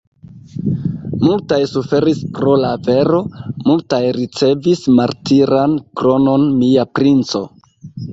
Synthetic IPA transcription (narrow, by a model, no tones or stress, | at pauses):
multajsufe̞ɾiskɾo̞lave̞ɾo̞multajɾit͡se̞vismaɾtiɾankɾo̞no̞nmiapɾint͡so̞